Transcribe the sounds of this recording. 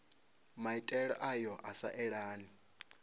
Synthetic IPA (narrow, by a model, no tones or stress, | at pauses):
maitʼɛɺɔʔajɔʔasa̰ʔɛɺaːni